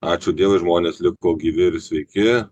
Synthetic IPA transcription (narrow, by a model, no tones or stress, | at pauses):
ɑːt͡ʃʲʊd̪ʲiɛʋɐʒmoːnʲeslʲɪkoːɡʲiːʋʲɪɪɾsʲʋʲɛɪkʲɪ